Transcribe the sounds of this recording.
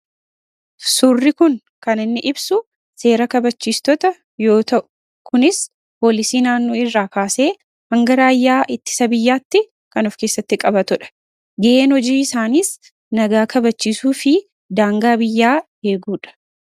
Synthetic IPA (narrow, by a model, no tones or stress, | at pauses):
surːɪkʊŋ | kɐnɪnːɪʔɪbsʊ | se̞ːɾɐkɐbɐt͡ʃːiːst̪ɔt̪ɐ | jo̞ːt̪ɐʔʊ̥ | kʊnɪs | po̞ːlɪsiːnaːnːoːɪrːaːkaːse̞ː | hɐŋɡɐɾaːjːaːʔɪt̪ːɪ̥sɐbɪjːaːt̪ːɪ | kɐnɔfke̞ːsːɐt̪ːɪkʼɐbɐt̪ʊᶑɐ̥ | ɡɐʔe̞ːnhɔd͡ʒiːɪsaːniːs | nɐɡaːkɐbɐt͡ʃːiːsuːfɪ | d̪aːŋɡaːbɪjːaː | eːɡuːᶑɐ̥